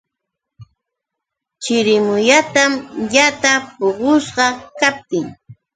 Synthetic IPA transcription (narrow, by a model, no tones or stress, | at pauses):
t͡ʃɪɾɪmʊjat̪amʎat̪apoɢʊsɢɑkap̚t̪ɪŋ